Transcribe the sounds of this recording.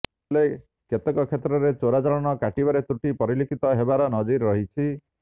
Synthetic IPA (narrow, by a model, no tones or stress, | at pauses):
le | ket̪ɔkɔkʰet̪ɾɔɾet͡ʃoɾad͡ʒaɭɔnɔkaʈibaɾet̪ɾuʈipɔɾilikʰit̪ɔɦebaɾɔnɔd͡ʒiɾːɔɦit͡ʃʰi